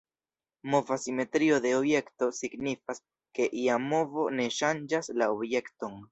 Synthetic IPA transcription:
mo̞vasime̞t̪ɾio̞d̪e̞obje̞kto̞siɡnifas | ke̞ʔiamo̞vo̞ne̞ʃand͡ʒaslaobje̞kto̞n

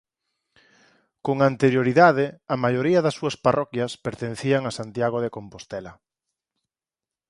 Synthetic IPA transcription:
koŋant̪eɾjoɾiðaðɪɐmajoɾiɐðɐsːuɐsparʔɔkjɐspeɾt̪enθiaŋɐsant̪jaɣ̞oðekompost̪ɛlɐ

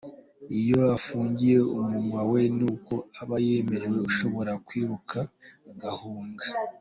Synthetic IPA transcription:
ijo̞afuːɲɟije̞umumŋwawe̞nuːko̞aβaje̞me̞ɾe̞we̞uʃo̞βo̞ɾakwiːβukʰaɡahuːŋɡa

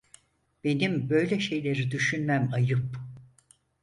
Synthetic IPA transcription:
b̥e̞nimbø̞jlʲɛʃe̞jlʲeɾid̪yʃynmæmajɯp

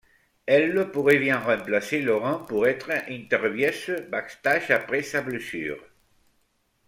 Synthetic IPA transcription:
ɛlːəpuʁevjɛ̃ʁɑ̃mplaselɔʁɑ̃puʁɛt̪χʔɛ̃nt̪ɛʁbjɛsəbakst̪aʒapʁesablesy̰ːʁ

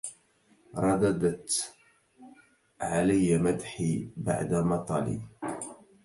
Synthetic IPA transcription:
ɾˤɑd̪ɑd̪at̪ | ʕalajːamad̪ħiba̰ʕd̪amɑt̪ˤɑlḭ

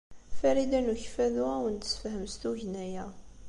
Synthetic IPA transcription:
fæɾid̪ænuçfæðuʁawənt̪sfɦəmst̪uʝnæjæ

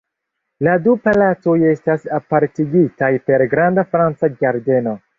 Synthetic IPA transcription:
ladupalato̞je̞stasapaɾtiɡitajpe̞ɾɡɾandafɾant͡sad͡ʒaɾde̞no̞

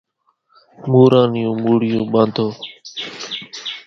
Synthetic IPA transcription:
muːɾãːnɪjũːmuːɽɪjũːɓãːnd̪ʱoː

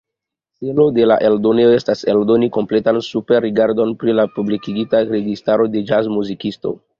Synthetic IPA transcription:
selo̞de̞la̰ʔe̞ldo̞neoe̞stase̞ldo̞niko̞mple̞tansupeɾːiɡaɾdo̞npɾilapublikiɡitaɾe̞ɡistaɾo̞de̞d͡ʒazmuzikisto̞̰

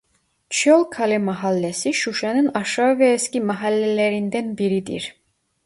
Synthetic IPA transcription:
t͡ʃʰɔlˠkʰalɛmaɦalːɛsiʃuʃɛnɯnaʃavɛːscimaɦalːɛlɛɾind̪ænbiɾid̪ḭɾ

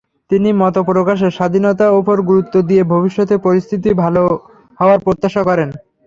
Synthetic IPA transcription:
t̪inimɔt̪opɾokaʃ̬eʃad̪ʱinot̪̬aopoɾɡuɾut̪ːod̪iebʱobiʃːot̪epoɾist̪ʰit̪̬ibʱalo | hɔoaɾpɾot̪ːaʃakɔɾen

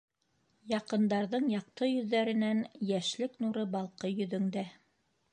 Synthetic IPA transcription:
jɑqɤ̆nd̪ɑɾðɤɴjɑq̚t̪ɤjɵ̆ðːæɾɘ̆nænjæʃlɘknuɾɤbɑlˠqɤjɵ̆ðɵ̆ŋd̪æ

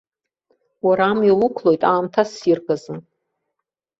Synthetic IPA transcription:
waɾaːmilʊkʷʰlo̞jtʼaːmtʰasirɡazɨ

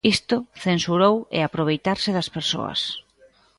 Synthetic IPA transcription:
ist̪ʊθensuɾowɪ̰apɾoβ̞ejt̪aɾsɪðɐspeɾso̰ɐ̰s

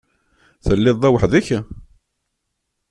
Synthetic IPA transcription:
θəlːɪðˤæwəħðiç

